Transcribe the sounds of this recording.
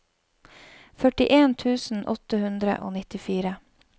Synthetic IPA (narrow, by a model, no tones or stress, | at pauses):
fœʈɪʔeːnt̪ʰʉːsn̩ʔɔt̪əhʉnd̪ɾə̰ʔo̰ːnɪt̪ɪfiːɾə